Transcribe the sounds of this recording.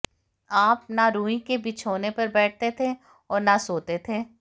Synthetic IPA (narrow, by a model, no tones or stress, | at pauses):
aːp̚naɾũːĩkebit͡ʃʰoːnepɐɾbɛːʈ̚t̪et̪ʰe | ɔːɾnasoːt̪et̪ʰeː